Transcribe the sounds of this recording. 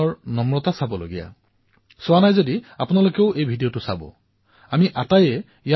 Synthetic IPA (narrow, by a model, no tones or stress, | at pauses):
ɔɹnɔmɹɔtasabɔlo̰ɡija̰ | sʊwanajzodiapʊnalokɛʊʔejbʱidijotʊsabɔ̰ | amiʔatajɛ | ija